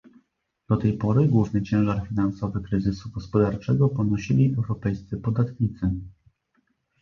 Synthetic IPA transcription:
d̪̥ɔt̪ɛjpɔɾɘɡwuvnɘt͡ɕɛ̃w̃ʐaɾfʲinansɔvɘkɾɘzɘsuɡɔspɔd̪aɾt͡ʂɛɡɔpɔnɔɕilʲiʔɛwɾɔpɛjst̪sɘpɔd̪at̪ɲit̪sɘ

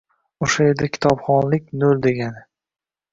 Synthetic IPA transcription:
oʃaed̪akʲʰɪ̥t̪ʰɒpχɒnlɪkʲnold̪e̞ɡʲanɪ

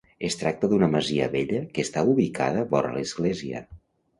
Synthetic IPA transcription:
est̪ɾak̚t̪əðunəməziə̰βeʎəkest̪auβikʰa̰ð̞əβɔɾə̰ləzɣleziə̰

